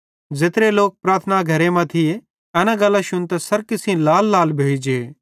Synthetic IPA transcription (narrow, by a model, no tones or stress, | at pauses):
d͡zɪt̪ɾeloːk̚pɾaːɾt̪ʰənaɡʱɐɾemãt̪ʰɪe | ɐnãɡɐlːaʃʊnt̪ɛsɐɾkɪsĩlaːlːaːlbʱeːid͡ʒe